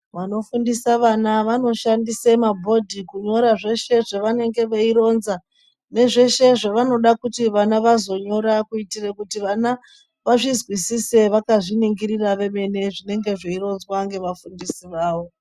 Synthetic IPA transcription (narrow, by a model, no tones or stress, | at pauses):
ʋano̞fundisaʋanaʋano̞ʃandisemabʱo̞dʱikuɲo̞ɾaʐe̞ʃe̞ʐeʋane̞ŋɡe̞ʋeiɾo̞nza | ne̞ʐe̞ʃe̞ʐeʋano̞ɗakutiʋanaʋazo̞ɲo̞ɾakuitirekutiʋana | ʋaʐizwisise̞ʋakaʐiniŋɡiɾiraʋe̞me̞ne̞ʐine̞ŋɡe̞ʐeiɾo̞nzwaŋɡe̞ʋafundisiʋaːwo̞